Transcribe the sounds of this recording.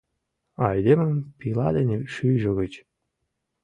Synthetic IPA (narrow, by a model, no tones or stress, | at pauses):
ɑjd̪emə̆mpilɑd̪enʲeʃyjʒə̆ɣət͡ɕ